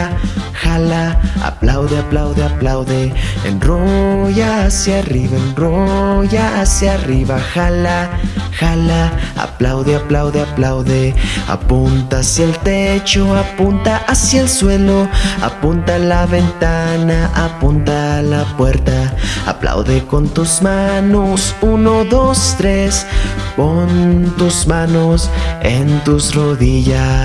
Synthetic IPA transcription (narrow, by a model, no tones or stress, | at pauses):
xalaa̰plawðeaplawðeaplawðeḛnroʝasjariβaenroʝaasjariβaxalaxalaa̰plawðeaplawðeaplawðea̰punt̪aasjaelt̪e̞t͡ʃo̞apunt̪aʔasjaelswe̞lo̞a̰punt̪alaβe̞nt̪anaʔapunt̪alapwe̞ɾt̪aa̰pla̰wðeko̞nt̪uzmanosuno̞ðo̞st̪ɾe̞spont̪uzmanosent̪usroðiʝa